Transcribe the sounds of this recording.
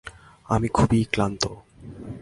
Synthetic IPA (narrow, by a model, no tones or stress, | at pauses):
amikʰubiklant̪o